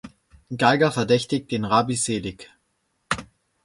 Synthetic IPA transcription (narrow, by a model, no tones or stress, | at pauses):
ɡ̥aɪɡɐfɛɐdɛçtɪçt̚d̥eːnʁaːbizeːlɪk